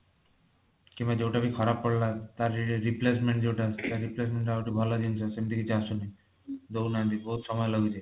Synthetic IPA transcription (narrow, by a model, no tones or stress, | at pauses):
kimbad͡ʑewʈabikʰɔɾapːɔɽlat̪aɾiɾiplesmeɳʈd͡ʑewʈast̪aɾɾiplesmeɳʈawʈibʱalad͡ʑinsʰasemd̪ikit͡ʃʰasuni | d̪ownad̪iboɦut̪ʃɔmɔeloɡud͡ʑe